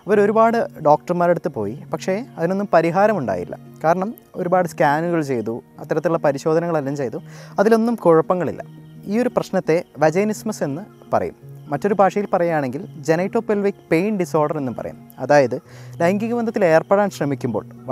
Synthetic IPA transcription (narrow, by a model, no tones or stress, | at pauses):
ɐʋɐɾo̞ɾubaːɽɨɖo̞ːk̚ʈɐrmaːɾe̞ɽut̪ːɨpo̞̰ːjipɐkʂe̞ɐðino̞nːumpɐɾiɦaːɾɐmuɳɖa̰ːjḭlːɐ̰kaːɾɐɳɐm | o̞ɾubaːɽɨskaːnuɣɐɭt͡ɕe̞jt̪uɐ̰t̪ːɐɾɐt̪ːiuɭːɐpɐɾiɕo̞ːd̪ʱɐnɐŋɐɭɐlːɐmt͡ɕe̞jt̪uɐðilo̞nːumkuɻɐpːɐŋːɐɭḭlːɐ̰iːo̞ɾuprɐɕnɐt̪ːe̞ʋɐd͡ʑɐjnismɐse̞nːɨ | pɐ̰rɐ̰jṵmːɐtːo̞ɾubʱaːʂɐjilpɐrɐjaːɳe̞ŋɡild͡ʑenɐjʈːo̞ːpːelʋikpejɳɖiso̞ːrɖɐre̞nːumpɐ̰rɐ̰jṵnː | ɐðaːjɐðɨlɐjŋɡiɣɐʋɐnd̪ɐt̪ːile̞ːrpeɽaːnɕrɐmikʲːumboːɭ